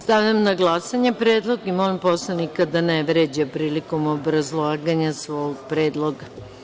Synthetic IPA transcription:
st̪aʋʎamnaɡlˠasaɲepɾeːd̪lˠo̞ɡimolimposlˠanikad̪aneʋɾed͡ʑapɾiːliko̞mobɾazlˠaːɡaɲasʋoːɡpɾeːd̪lˠoɡa

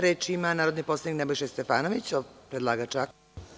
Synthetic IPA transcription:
ɾeːt͡ʃiimanaːɾod̪niposlaniknebojʃest̪efaːnoʋit͡ɕopɾed̪lˠaːɡat͡ʂak

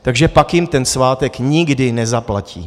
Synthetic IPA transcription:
t̪aɡʒɛpakjɪmt̪ɛnsvaːt̪ɛkɲɪɡdɪnɛzaplacḭː

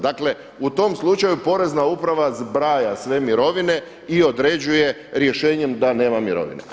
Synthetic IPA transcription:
d̪akle̞ | ut̪o̞mslˠut͡ʃajupo̞ɾe̞znaupɾaʋazbɾaːjasʋe̞miɾo̞ʋine̞ | io̞d̪ɾe̞d͡ʑuje̞ | ɾje̞ʃe̞ːɲe̞md̪ane̞ːmamiɾo̰ʋḭne

